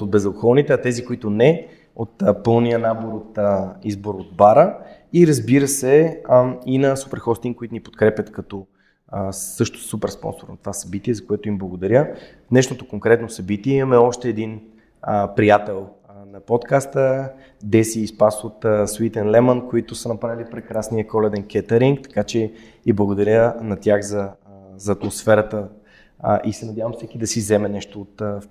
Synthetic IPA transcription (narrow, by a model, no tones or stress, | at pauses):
od̪̚bɛzəkoxɔnit̪ɛɐt̪ɛzikoit̪ʊnɛ | ot̪pɤlˠnijənaboɾot̪əizboɾod̪̚baɾə | iɾəzbiɾəsɛ | inɐsupɛɾxɔst̪iŋkoit̪ʊnipo̥t̪kɾɛpʲjət̪kɐt̪ɔ | əsɤʃt̪ʊ̥supɛɾspɔ̰nsoɾnɐt̪ovasɐbit̪iɛzɐkoɛt̪ʊimblˠɐɡod̪ɐɾʲjəvnɛʃnot̪okoŋkɾɛt̪nosɐbit̪iɛimɐmɛɔʃt̪ɛːd̪in | əpɾijat̪ɛlˠ | nɐpɔt̪kast̪ə | d̪ɛsiːspasot̪sit̪ɛnlɛmənkoit̪ʊsɐnɐpɾavilipɾɛkɾasniəkɔlɛd̪ɛnkʲɛt̪ɛɾiŋk̚t̪ɐ̥kat͡ʃɛ | iblˠɐɡod̪ɐɾʲjənɐt̪ʲjaxzɐzɐːt̪mosfɛɾət̪ə | ʔisɛnɐdʲjavəmsɛkid̪ɐsizɛmɛnɛʃt̪oːt̪